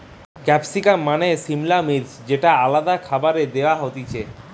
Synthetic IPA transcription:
kɛpsikamːanesimlamiɾd͡ʑd͡ʑeʈaalad̪akʰabaɾed̪eoaɦot̪it͡ɕʰe

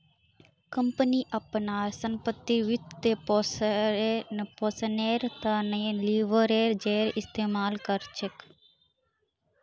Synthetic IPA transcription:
kəmpəniʔəpnaːɾsəmpət̪ːiʋɪt̪t̪eːp | posəneːɾt̪anəẽliːʋəɾeːɾd͡ʒeːɾɪst̪eːmaːlkəɾt͡ʃʰek

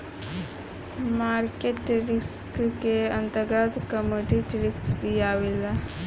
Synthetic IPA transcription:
maːɾkeʈʈɾɪskkeɐ̃nt̪əɡad̪kəmoʈiʈɾɪksbʱiaːwila

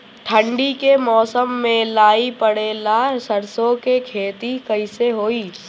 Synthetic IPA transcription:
ʈʰə̃ɳɖikemɔːsəmːẽlaːipɐɽeːlasəɾsõkekʰeːt̪ikɐɪseɦoːiː

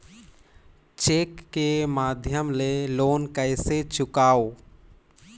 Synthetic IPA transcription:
t͡ʃeːkːemaːd̪ʱjəmleloːnkɛɪset͡ʃʊkaːoː

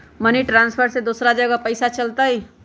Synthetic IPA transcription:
məniʈɾanspʰəɾsed̪oːsɾad͡ʒəɡəpəɪsat͡ʃəlt̪ai

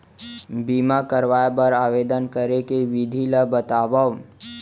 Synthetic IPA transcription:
biːmakəɾʋaːjbəɾaːʋeːd̪ənkəɾekeʋɪd̪ʱiləbət̪aːʋa

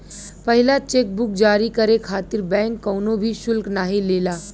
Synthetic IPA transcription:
pɐɦɪlat͡ʃeːk̚bʊk̚d͡ʒaːɾikɐɾekʰaːt̪ɪɾbɛ̃ːŋkːɐːnõbʱiʃʊlknaːɦileːlaː

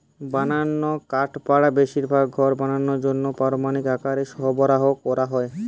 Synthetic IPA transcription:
bananːokaʈpaɽabeʃiɾbʱaɡɡʱɔɾbananːoɾd͡ʑonːopaɾomanikakaɾeʃɔɦobɔɾaɦokɔɾaɦɔe

